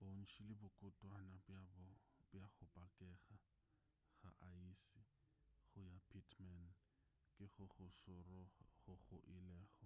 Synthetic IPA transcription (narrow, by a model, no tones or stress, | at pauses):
bon̩ʃilɪbʊkʼʊtʼwanabbbjaɣʊpʼakʼɛɣa | ɣa̰ʔaisiɣʊjapʰitʰman | kʼɪɣʊχʊsʊrɔχʊɣʊ̰ʔilɛːχɔ